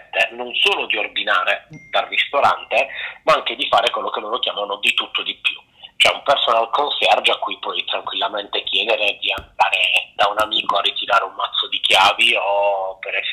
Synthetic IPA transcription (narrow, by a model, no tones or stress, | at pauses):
t̪ːenonsoːlod̪iord̪inaːɾed̪̥alrːist̪oɾa̰nt̪emaaŋk̟ed̪ifaːɾekwelːokelːoːɾokjaːmanod̪it̪ut̪ːod̪ipːju | t͡ʃoɛumpersonalkonsɛrd͡ʒakːujpɔjt̪ɾaŋkwilːament̪ekjɛːd̪eɾed̪iand̪aːɾed̪̥aunamiːkoarːit̪iɾaːɾeummat̪sːod̪ik̟jaːviopeɾɛs